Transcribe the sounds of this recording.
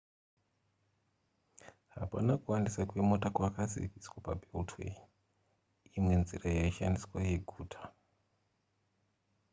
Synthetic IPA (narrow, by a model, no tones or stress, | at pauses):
ɦa̰panakuwandisakwe̞motakwakazḭviswapabʱeltʰwḛ | imwe̞nzirajaiʃandiswaje̞ɡʱuːtʰḁ